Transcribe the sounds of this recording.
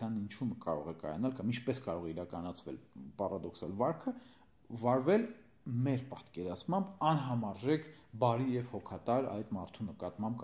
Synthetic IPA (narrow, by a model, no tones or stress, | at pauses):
jɑnint͡ʃʰuməkɑ̰ɾɔ̰ʁɛkɑ̰jɑ̰nɑlkɑmint͡ʃʰpɛskɑɾɔʁɛiɾɑkɑnɑt͡sʰvɛ̰lpɑrɑd̪ɔksɑ̰lvɑɾkʰə | vɑɾvɛl | mɛɾpɑt̪kɛɾɑt͡sʰmɑmbɑnɦɑmɑɾʒɛkʰbɑɾijɛvhɔkʰɑt̪ɑɾɑ̰jt̪mɑɾt̪ʰunəkɑt̪mɑmb